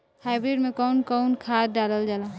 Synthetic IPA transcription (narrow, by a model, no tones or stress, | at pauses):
haɪbɾeɖmẽkɔʊnkɔwnkʰat̪̚ɖaləld͡ʒala